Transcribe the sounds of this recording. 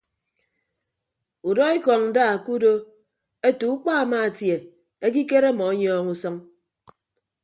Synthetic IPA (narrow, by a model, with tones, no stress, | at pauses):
u˨dɔ˦i˦kɔ˨ŋn̩˨˦da˦˨ku˦do˦ | e˦tu˨˦k͡pa˦a˨ma˦a˨tje˨ | e˦k̬i˦ke˦ɾe˦mɔ˨˦ɲɔː˦ŋu˦sɔ˦ŋ